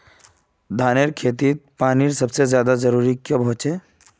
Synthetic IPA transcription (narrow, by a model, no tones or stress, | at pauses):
d̪ʱaːneɾkʰeːt̪iːt̪̚paːniɾsɐbsezjaːd̪azəɾuːɾikjobʱɦʊt͡ʃeː